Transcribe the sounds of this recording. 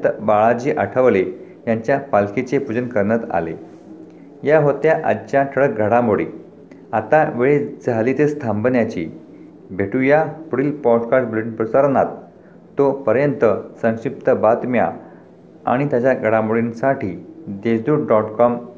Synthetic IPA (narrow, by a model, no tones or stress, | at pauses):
t̪əbaɭad͡ʑiːʔaʈʰəʋle | jaɲt͡ɕjapalket͡sepud͡zənkəɾnət̪a̰lḛ | jaɦot̪jaʔa̰dt͡ɕjat̪ʰəɭəkɡʱəɽamoɽi | at̪aʋeɭed͡zʱalit̪est̪ʰãmbənjat͡ɕḭ | bʱeʈujapɽiːlpɔʈkaʈblinpɾəsəɾnat̪ː | opəɾjənt̪əsə̃ŋɕip̚t̪əbat̪mja̰ | a̰ɽ̃it̪jat͡ɕjaɡʱəɽamoɽinsaʈʰiːd̪esd̪uːʈɖɔʈkɔm